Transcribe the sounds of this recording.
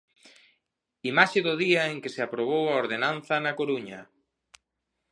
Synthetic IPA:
imaʃɪðʊðiɐeŋkɪsɪapɾoβ̞owɐoɾðenanθɐnɐkoɾuɲɐ

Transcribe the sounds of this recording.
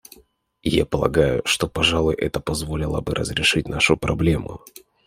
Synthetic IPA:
japəlˠɐ̰ɡajʊ̰ʂt̪o̞pɐʐalˠʊjʔɛt̪əpɐzvo̞lʲɪlˠə̰bɨɾʔə̰zɾʲɪʂɨtʲnaʂʊpɾɐblʲe̞mʊ̰

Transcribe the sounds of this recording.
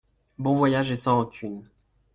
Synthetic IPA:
bɔ̃vwajaʒesɑ̃ɑ̃kʲʰyn

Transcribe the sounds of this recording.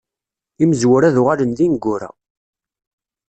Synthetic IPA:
iməzwʊɾæðʊʁalənðinɡːʊɾæ̰

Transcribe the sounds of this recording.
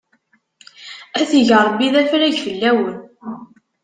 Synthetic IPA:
æθiʝəɾˤbiðæfɾæʝfəlːæwən

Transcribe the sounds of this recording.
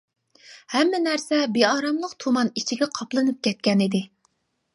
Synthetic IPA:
hɛmːɪnæɾsɛbeɑːɾɑmlˠəqt̪ʰumɑnit͡ʃʰiɡʲɛqʰɑplˠɨnɨp̚kʲɛt̪̚kʲɛnid̪ɪ

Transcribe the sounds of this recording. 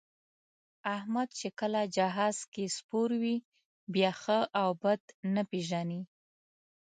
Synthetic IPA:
ahmad̪̚t͡ʃekəlad͡ʒaɦɑz̥kespoɾwi | bjɑxəʔawbad̪nəpeʒani

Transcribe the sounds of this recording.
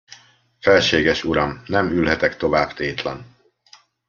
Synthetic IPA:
fɛlʃeːɡɛʃuɾɒmnɛmylɦɛt̪ɛkt̪o̞vaːbt̪eːt̪lɛ̰n

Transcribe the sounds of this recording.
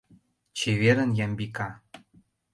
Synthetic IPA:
t͡ɕeβeɾə̆njɑmbikɑ

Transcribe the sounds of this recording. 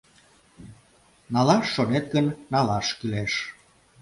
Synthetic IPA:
nɑlɑʃːonet̪̚ɡənːɑlɑʃkyleʃ

